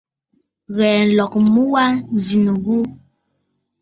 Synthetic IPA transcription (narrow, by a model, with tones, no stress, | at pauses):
ɣɛː˨n̩˨lɔ˨kmu˦wa˦n˨zi˨nə˨ɣu˦